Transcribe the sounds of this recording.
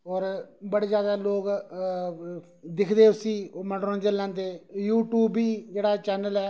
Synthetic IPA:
ɔːɾbəɽeːzjaːd̪aːloːk | d̪ɪkʰd̪eːʊsiːoːməɖɾõd͡ʒəlːãːnd̪eːjuːʈjuːbiːd͡ʒeːɽaːt͡ʃɛːnəlɛː

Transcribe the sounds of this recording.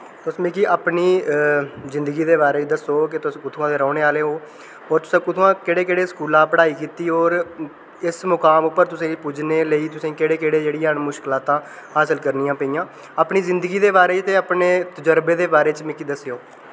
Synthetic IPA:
t̪ʊsmẽːkiːʔaːpniː | zɪ̃nd̪əɡiːd̪eːbaːɾeːt͡ʃd̪əsoːkɪt̪ʊskʊt̪ʰuãːd̪eːɾɔːɽeːaːleːɦoː | ɔːɾt̪ʊ̥sãːkʊt̪ʰuãːkɪɽeːkɪɽeːskuːlãːpəɽaːiːkiːt̪iːɔːɾ | ɪsmʊkaːmʊpːəɾt̪ʊsẽːpuːd͡ʒneːləiːt̪ʊsĩːkeːɽeːkeːɽeːd͡ʒeːɽijãːnmʊʃkɪlaːt̪ãː | haːsəlkəɾniːãːpəijãː | aːpɳiːzɪnd̪əɡiːd̪eːbaːɾeːt̪eːapneːt̪əd͡ʒəɾbeːd̪eːbaːɾeːt͡ʃmẽːkiːd̪əsejoː

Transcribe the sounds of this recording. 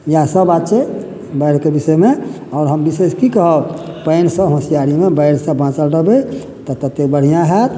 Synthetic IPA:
jasəbat̪ːt͡ʃe | bəɪɾkebisɛme | ɔʊɾɦəmbiseskikəɦəbpəɪnsə̃ɦõsijaɾimebəɪɾsə̃bãt͡ʃəlɾəɦbe | t̪ɔt̪ət̪ek̚bəɽ̤ijãɦɛt̪

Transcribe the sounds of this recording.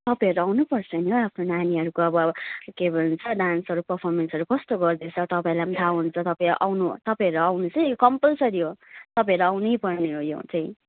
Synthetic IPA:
t̪ʌpaj̃ɦʌɾuawnupʌrt͡sʰʌnoapʰnonaniɦʌɾukoʌbʌkebʱʌnunt͡sʰʌɖansʌɾupʌrpʰʌrmensʌɾukʌst̪oɡʌrd̪et͡sʰʌt̪ʌpaĩlamd̪ʰʱawɦunt͡sʰʌt̪ʌpaĩʔawnut̪ʌpaĩʌɾuawnut͡sʌjkʌmpʌlsʌɾiot̪ʌpaj̃ʌɾuawnʌjpʌrneɦojo̰t͡sʌĩ

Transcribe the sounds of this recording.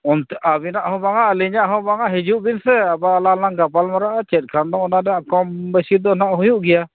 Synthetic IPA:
ɔnt̪abinaʔhɔ̃baŋaʔliɲaʔɦɔ̃baŋaʔɦid͡ʒuʔbinsɛabalanaŋɡapalmaɾaʔat͡ʃɛt̪̚ˀkʰand̪ɔʔɔnanɛjaʔkɔmbɛsid̪ɔnaʔɦujuʔɡɛja

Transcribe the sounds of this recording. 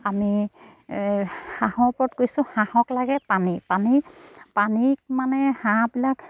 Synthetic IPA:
ami | hahɔpɔtkojsʊ̃hãhɔklaɡɛpanipanipanimanɛhãbilak

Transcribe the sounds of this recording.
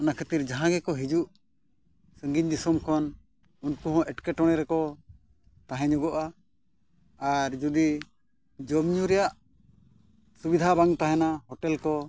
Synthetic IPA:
ɔnakʰet̪iɾd͡ʒaɦãɡɛkɔɦid͡ʒuʔ | səŋɡiɲd̪isumkʰɔn | unkuɦɔ̃ʔɛʈkɛʈɔɽ̃ɛɾɛkɔ | t̪ãɦɛ̃ɲɔɡɔʔa | ɾd͡ʒud̪i | d͡ʒɔbɲuɾɛjaʔ | subid̪ʱabaŋt̪aɦɛ̃naɦɔʈɛlkɔ

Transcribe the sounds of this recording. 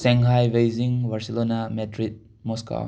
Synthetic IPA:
seŋɦajbejziŋbaɾselonametɾit̚ | mɔska̰

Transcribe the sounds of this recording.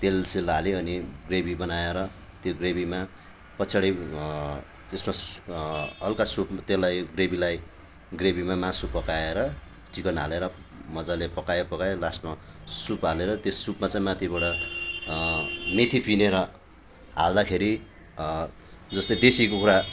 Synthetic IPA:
t̪elsilaleʌniɡrebibʌnajeɾʌ | t̪joɡrebima | pʌt͡sʰaɽi | t̪esma | ʌlkasupmat̪elːajɡrebilaj | ɡrebimamãsupʌkaeɾʌ | t͡sikʌnɦa̰leɾʌmʌd͡zalepʌkajpʌkajlasma | supɦaleɾʌt̪josupmat͡saĩmãt̪ʰibʌɽʌ | met̪ʰipineɾʌ | ɦald̪akʰeɾi | d͡zʌst̪ʌd̪esikokuɾa

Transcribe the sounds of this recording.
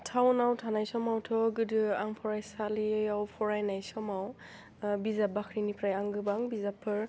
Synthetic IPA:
tʰawnawtʰanajsɔmawtʰɔɡɯdɯaŋpʰɔɾajsaliawpʰɔɾajnajsɔmaw | bizabakʰɾinipʰɾajaŋɡɯbaŋbizapʰːɯɹ

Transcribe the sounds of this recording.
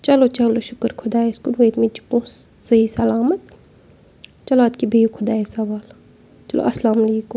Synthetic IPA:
t͡ʃɐlot͡ʃɐloʃʊkəɾkʰʊd̪aːeskulʋeːt̪mĩt͡ʃu̥põːs | z̥ɐiːsɐlaːmɐt̪̚ | t͡ʃɐloɐt̪kibʱejukʰʊd̪aːesɐʋaːl | t͡ʃɐlo̰ʔɐslaːmɐleːkum

